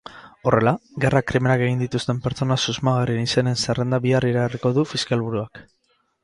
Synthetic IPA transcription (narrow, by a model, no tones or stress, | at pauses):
o̞re̞laɣe̞rakɾime̞nake̞ɣ̞ind̪it̪ust̪e̞mpe̞ɾt͡so̞nasuzmaɣarienise̞ne̞nsere̞nd̪aβiariɾariko̞ðufiskalβuɾuak